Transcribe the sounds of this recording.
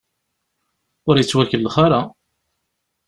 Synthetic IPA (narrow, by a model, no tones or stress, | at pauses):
ʊɾjət͡sːwækːəlːχaɾa